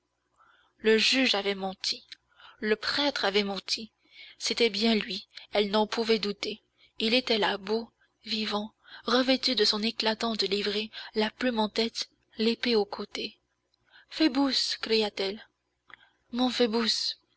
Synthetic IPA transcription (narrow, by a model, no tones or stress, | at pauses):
ləʒyʒavɛmɑ̃t̪ʰi | ləpχɛt̪χavɛmɑ̃t̪ʰi | set̪ɛbjɛ̃lɥiɛlnɑ̃puvɛd̪ut̪e | ilet̪ɛlabo | vivɑ̃ | ʁəvɛt̪yd̪əsɔ̃neklat̪ɑ̃d̪əlivʁelaplymɑ̃t̪ɛt̪ | lepeokʰot̪e | febuskχijat̪ɛl | mɔ̃fɛbus